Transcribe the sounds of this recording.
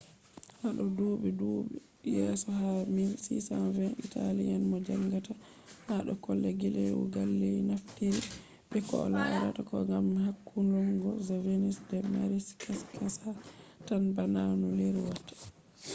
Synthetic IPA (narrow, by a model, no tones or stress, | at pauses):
haɗɔduɓɛduɓɛ | jɛsɔhaminsḭsanvɛnʔitalianmɔd͡ʒaŋɡata | haɗɔkɔlːɛɡeleɾwɔ̰ɡalːejnaftiɾi | ɓɛkɔla̰ɾa̰takɔŋɡamɦakːunlɔŋɡɔzavenisdɛmaɾiskʰaskʰasatanbananuleɾiwatːḁ